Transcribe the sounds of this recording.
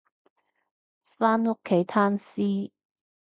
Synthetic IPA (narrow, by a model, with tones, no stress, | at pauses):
faː˥nŋʊ˥kʰːe˨˥jt̪ʰaː˥nsiː˥